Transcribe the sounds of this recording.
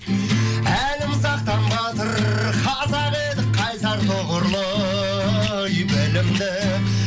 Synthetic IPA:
ælɪmsɑq̚t̪ɑmbɑt̪ʰəɾχɑsɑʁed̪ɪk̚qʰːɑjsɑɾt̪ʰoʁʊɾlˠə | jʏpɪlɪmd̪ɪ

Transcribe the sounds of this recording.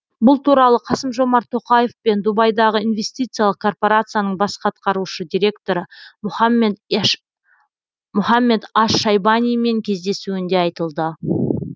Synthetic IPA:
bʊlˠt̪ʰuɾɑlˠəqʰɑsəmʒo̞mɑɾt̪ʰo̞qɑje̞fpe̞nd̪ubɑjd̪ɑʁəinve̞st̪ijt̪sɨjalˠəq̚kʰo̞rpo̞ɾat̪sɨjanəɴbɑsqɑt̪̚qɑɾuʃəd̪ʲijɾʲe̞kt̪o̞ɾəme | mʊχɑmːe̞d̪ɑʃːɑjbɑnʲijme̞ŋkʲʰezd̪e̞suɪnd̪eɑjt̪əlˠd̪ə

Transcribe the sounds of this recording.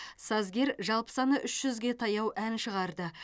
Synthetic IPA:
sɑzɡʲe̞ɾʒɑlˠpə̥sɑnəʔʏʃʒ̥ʏzɡʲe̞t̪ʰɑjɑwʔænʃəʁɑɾd̪ə

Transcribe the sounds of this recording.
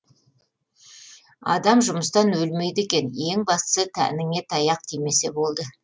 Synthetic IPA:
ɑ̰d̪ɑmʒʊməst̪ɑnwɵlme̞jd̪e̞kʲe̞ne̞ŋbɑst̪ə̥sət̪ʰæ̰nɪŋe̞t̪ʰɑjɑq̚t̪ʰime̞se̞bo̞lˠd̪ə

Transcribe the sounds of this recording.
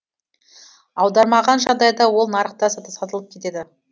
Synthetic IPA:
ɑwd̪ɑɾmɑʁɑnʒɑʁd̪ɑjd̪ɑwo̞lˠnɑɾəqt̪ɑsət̪əsɑt̪əlˠəp̚kʲʰe̞t̪e̞d̪ɪ

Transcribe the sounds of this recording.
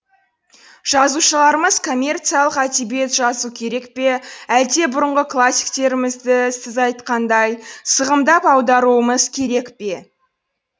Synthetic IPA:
ʒ̥ɑzuʃəlˠɑɾəməz̥kʰo̞mʲːe̞rt̪sijalˠəqæt̪ibie̞t̪ʒɑzukʲʰe̞ɾe̞kpe̞ælt̪e̞bʊɾəɴʁəkʰlˠasʲːi̥k̚t̪e̞ɾɪmɪzd̪ɪsɪzɑjt̪qɑnd̪ɑjsəʁəmd̪ɑpɑwd̪ɑɾuəməz̥kʲʰe̞ɾe̞kpe̞

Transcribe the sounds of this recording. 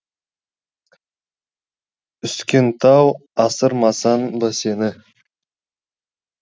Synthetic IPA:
ʏskʲe̞nt̪ʰɑwɑsəɾmɑsɑnbɑsenɪ

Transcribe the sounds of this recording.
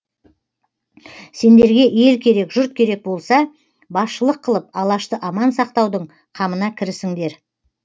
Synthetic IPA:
se̞nd̪e̞ɾɡʲe̞e̞lkʲʰe̞ɾe̞kʒʊɾt̪kʲʰe̞ɾe̞k̚bo̞lˠsɑ | bɑsʃəlˠəqʰːəlˠəp̚ɑlˠɑʃt̪əʔɑmɑnsɑqt̪ɑwd̪əɴ | qʰɑmənɑkʲʰɪɾɪsɪŋd̪e̞ɾ

